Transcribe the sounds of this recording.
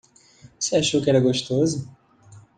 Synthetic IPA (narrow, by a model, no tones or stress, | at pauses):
voseaʃowkɪɛɾɐɡoʃt̪ozʊ